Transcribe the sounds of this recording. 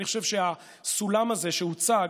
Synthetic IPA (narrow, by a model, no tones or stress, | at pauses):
iχoʃevʃea | sulamaze̞ʃeut͡sa